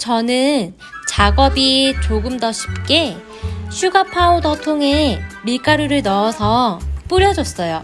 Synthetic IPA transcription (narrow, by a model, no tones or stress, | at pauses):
t͡ɕʌnɯn | t͡ɕaɡʌbit͡ɕoɡɯmdʌɕʰi̥p̚k͈e | ɕʰuɡapʰaodʌtʰoŋɦe̞miɭk͈aɾuɾɯɭnʌːsʰʌp͈uɾjʌd͡ʑʌs͈ʌjo